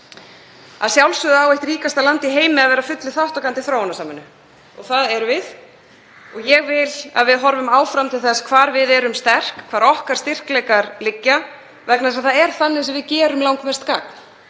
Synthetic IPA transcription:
a̰ðsjawlsʏðawejht̪ɾiːkast̪alant̪iɦeːjmɪaðvɛːɾafʏt̪lɪθaht̪ɔkant̪ɪθɾawhɔnasaːmɪnːʏ | ɔɣθaðɛɾvɪð | ɔɣjɛɣvɪla̰ðvɪðɦɔɾvʏmaːwfɾamt̪ʰɪlθɛsːkʰvaːɾvɪðɛɾʏmst̪ɛr̥kkʰvaːɾɔhkaɾ̥st̪ɪr̥klɛjkaɾlɪcːa | vɛknaðsaðθaðɛɾ̥θanːɪsɛmvɪðcɛːɾʏmlawŋkmɛ̥st̪kaːkn̥

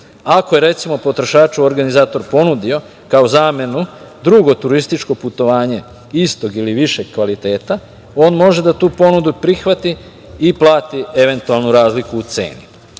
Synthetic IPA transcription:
akoje̞ɾe̞t̪simo̞po̞t̪ɾo̞ʃaːt͡ʃuoɾɡanizaːt̪o̞ɾpo̞nud̪io̞ | kaozaːme̞nu | d̪ɾuɡo̞t̪uɾist̪it͡ʃko̞put̪o̞ʋaːɲe̞ | ist̪o̞ɡiliʋiʃe̞ɡkʋalit̪e̞ːt̪a | o̞ːnmo̞ʒe̞d̪at̪uːpo̞nud̪upɾixʋat̪iː | plˠaːt̪ie̞ʋe̞nt̪ualˠnuɾaːzlikuːt̪se̞̰ːni

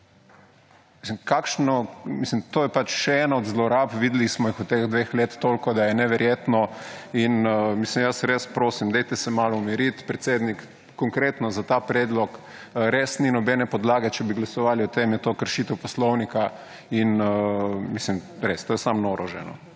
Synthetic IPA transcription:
mislimkakʃnɔmislimt̪oːjɛpat͡ʃʃɛɛːnaɔd̪zlɔɾapʋid̪ɛlismɔjixut̪exd̪ʋexlet̪t̪ːoːlkɔd̪ajɛnɛʋɛɾjeːt̪nɔinmislimjəsɾespɾoːsimd̪ɛjt̪ɛsɛmaːlɔumiɾit̪pɾɛt̪seːd̪nik | kːɔŋkɾeːt̪nɔzat̪apɾeːd̪lɔk | ɾesninɔbɛnɛpɔd̪laːɡɛt͡ʃɛbiɡlasɔʋaːliɔt̪emjɛt̪okəɾʃit̪ɛwpɔslɔwnika | inəmislim | ɾest̪oːjɛsamnɔɾʔɔʒɛ̰nɔ̰

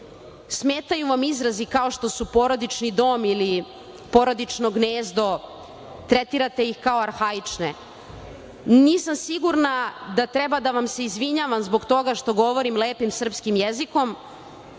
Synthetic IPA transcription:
smeːt̪ajuʋamizɾazikao̞ʃt̪o̞supo̞ɾod̪it͡ʃnid̪o̞ːmili | po̞ɾod̪it͡ʃnoɡneːzd̪o̞ | t̪ɾet̪iɾat̪e̞jixkao̞aɾxait͡ʂne | niːsamsiɡuɾnad̪at̪ɾɛbad̪aʋamse̞izʋiɲaʋamzboɡt̪o̞ɡaʃt̪o̞ɡo̞ʋo̞ɾimleːpimsr̩pskimjeziko̞m

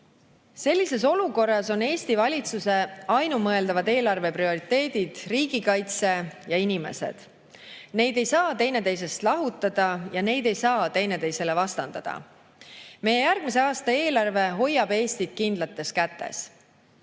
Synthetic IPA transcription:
se̞lʲːise̞so̞luko̞rːɑso̞ne̞ːst̪ivɑlʲit̪suse̞ɑjnumɤe̞ld̪ɑvɑd̪e̞ːlɑrve̞prio̞ɾit̪ːe̞ːd̪̥id̪̥riːɡ̥ikɑjt̪se̞jɑinʲime̞̰sḛd̪̥ | ne̞jd̪e̞jsɑːt̪e̞jne̞t̪e̞js̬e̞st̪lɑɦut̪ːˑɑd̪̥ɑjɑne̞jd̪e̞jsɑːt̪e̞jne̞t̪e̞jse̞le̞vɑst̪ɑnd̪̥ɑd̪̥ɑ̰ | me̞jejærɡ̥mise̞ɑːst̪ɑe̞ːlɑrve̞ɦo̞jːɑb̥e̞ːst̪id̪̥̚kind̪lɑt̪ːˑe̞skæt̪ːe̞̰s

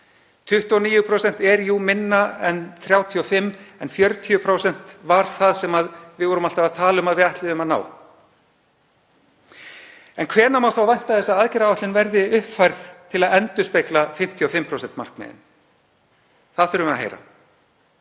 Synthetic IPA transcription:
t̪ʰʏht̪ɔniːjʏpʰɾowsɛn̥t̪ɛɾjumɪnːaɛnθɾjawt̪ʰiɔfɪmːɛnfjœɾt̪ʰijʏpʰɾowsɛn̥t̪vaɾ̥θaðsɛmaðvɪðvɔɾʏmal̥t̪avaðt̪ʰaːlʏmaðvɪðaht̪lɪðʏmaðna̰ːw | ɛnkʰvɛːnamawθawvajn̥t̪aðθɛsːaaːðcɛɾaaht̪lɪnvɛɾðɪʏhpfajɾθt̪ʰɪlaðɛnt̪ʏspeklafɪm̥t̪ʰiɔfɪmːpʰɾowsɛn̥t̪ma̰r̥kmɛ̰ːðɪ̰n | θaðθʏɾʏmaɦḛjɾa̰

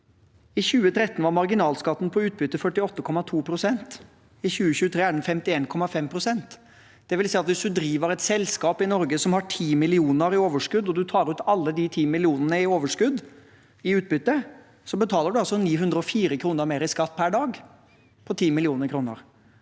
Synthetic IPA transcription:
ɪçʉːət̪ʰɾɛt̪ːn̩ʋɑɾmɑɾɡɪnɑːlskɑt̪ːn̩pʰɔʉːt̪̚bʏt̪ːəfœʈːɪɔt̪ːəkʰɔmːɑt̪ʰuːpʰɾʊsɛnt̪ | ɪçʉːəçʉːət̪ʰɾeːæɖɛnfɛmt̪ɪeːnkʰɔmɑfɛmpʰɾʊsɛnt̪ | d̪̥ɛʋɪlsɛɪɑt̪ʋɪsd̪ʉd̪ɾiːʋəɾɛt̪sɛlskɑːpɪnɔɾɡəsɔmhɑʈʰiːmɪlɪuːnəɾɪoːʋəʂkʉd̪ɔd̪ʉt̪ʰɑːɾʉːt̪ɑlːəd̪ɪt̪ʰiːmɪlɪuːnənəɪoːʋəʂkʉd̪ | ɪʉːt̪̚bʏt̪ːə | sɔbət̪ʰɑːləɖʉɑlsɔniːɦʉnd̪ɾəɔfiːɾəkʰɾuːnəɾmeːɾɪskɑt̪̚ːpʰæɖɑːɡ | pʰɔt̪ʰiːmɪlɪuːnəɾkʰɾuːnə̰ɾ

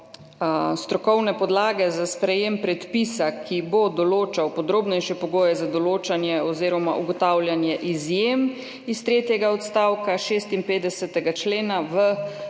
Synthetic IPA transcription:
st̪ɾɔkɔwnɛpɔd̪laːɡɛzaspɾɛjempɾɛt̪pisakʰibod̪ɔloːt͡ʃawpɔd̪ɾoːbnɛjʃɛpɔɡoːjɛzad̪ɔloːt͡ʃanjɛɔzeːɾɔma̰ʔṵɡɔt̪awlʲjanjɛʔizjem | ist̪ɾeːt̪jɛɡaɔt̪st̪aːwkaʃeːst̪inpeːd̪ɛsɛt̪ɛɡat͡ʃleːnaʋə

